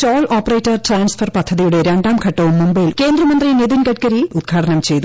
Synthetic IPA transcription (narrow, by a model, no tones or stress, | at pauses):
t͡ɕoːlʔoːpːɐreːtːɐrʈraːnsfɐrpɐd̪ʱːɐðijuɽe̞ɾe̞ɳɖaːmkʰɐʈːɐʋumːumbɐjilke̞ːnd̪rɐmɐnd̪riniðinkɐʈkɐɾiud̪̚ɡʰʱaːʈʰɐnɐmt͡ɕe̞jt̪u